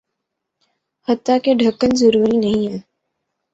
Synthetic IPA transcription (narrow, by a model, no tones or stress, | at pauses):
hət̪ːakeɖʱəkːənzəɾuːɾinɐɦĩɦɛː